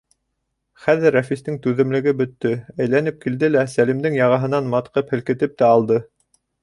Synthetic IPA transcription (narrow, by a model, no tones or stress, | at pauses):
χæðɘɾːæfist̪ɘŋt̪ʉðɘ̆mlɘ̆ɡɘbɵ̆t̪ːɵæjlænɘp̚kild̪ɘlæsælimd̪ɘŋjɑʁɑɦɤ̆nɑnmɑt̪qɤphɘ̆lkɘ̆t̪ɘp̚t̪æɑlˠd̪ɤ